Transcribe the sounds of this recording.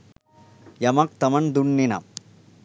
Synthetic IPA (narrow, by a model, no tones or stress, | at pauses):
jɐmɐk̚t̪ɐmɐnd̪uɳːinɐ̰m